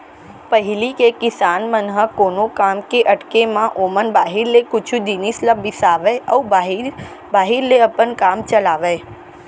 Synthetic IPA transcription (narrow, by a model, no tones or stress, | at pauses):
pəɦɪlikekɪsaːnmənɦəkoːnõkaːmkeʔɐʈkemãʔoːmənbaːɦɪɾlekʊt͡ʃʰud̪inisləbbɪsaːʋeɔːɦ | baːɦɪɾleɐpənkaːmt͡ʃəlaːʋeː